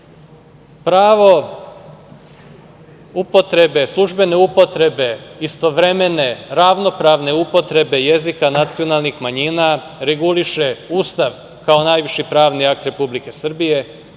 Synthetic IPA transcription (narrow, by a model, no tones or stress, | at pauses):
pɾaːʋo̞ | upo̞t̪ɾe̞be̞slˠuʒbe̞ne̞upo̞t̪ɾe̞be̞ist̪o̞ʋɾe̞me̞ne̞ɾaʋno̞pɾaʋne̞upo̞t̪ɾe̞be̞je̞zikanat̪sio̞nalˠnixmaɲina | ɾe̞ɡuliʃe̞uːst̪aʋ | kao̞najʋiʃipɾaːʋniakt̪ɾe̞publike̞sr̩bije̞